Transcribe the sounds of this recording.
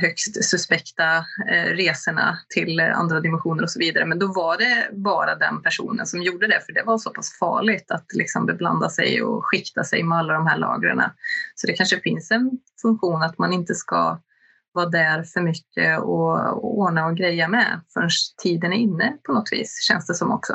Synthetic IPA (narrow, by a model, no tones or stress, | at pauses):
ɦœkst̪sɵspɛkt̪aɾeːsəɳa̰t̪ʰɪla̰nd̪ɾad̪ɪmɛnɧuːnəɾɔsɔviːd̪aɾəmɛnd̪ɔvaɖɛbɑːɾad̪ɛ̰npʰæʂṵːnə̰nsɔmjuːɖəd̪ɛfœɖɛvasɔpʰasfɑ̰ːɭɪɡt̪at̪lɪksɔmbɛbla̰nd̪asɛ̰jɔ̰ɧɪkt̪asɛjmɛalːad̪ɔmhæːɭɑ̰ːɡɾə̰ɳa̰sɔd̪ɛkʰanʂəfɪnsɛn | fɵŋkɧuːnat̪manɪnt̪əska̰ | vɑːd̪æɾfœɾmʏkːə̰ɔoːɳaɔɡɾɛjːamɛ̰fœɳʂt̪ʰiːd̪ənæɾɪnːəpʰɔnɔt̪ːvḭːsɕɛ̰nsd̪ɛsɔmɔ̰ksɔ